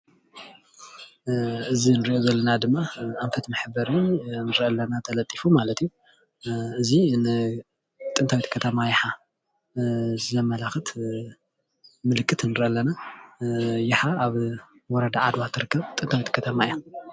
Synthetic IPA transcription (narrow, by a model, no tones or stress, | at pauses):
ɨzinɨɾiʔozɐlːɐnad̪ɨmːaʔamfʰɐt̪mɨħɨbɐɾɨnnɨɾɨʔɐlːɐnat̪ʰɐlɐt̪ʼifumalɐt̪iju | ɨzinɨ | t̪ʼɨnt̪ʰawit̪kʰɐt̪ʰɐmajɪħa | zɨzɐmɐlaxɨt̪ | mɨlɨkʼːɨt̪nːɨɾɨʔɐlːɐna | jɪħaaβ | wɔɾɐd̪aʕad̪wat̪ʰːɨɾɨkːɐβt̪ʼɨnt̪ʰawit̪kʰɐt̪ʰɐmaja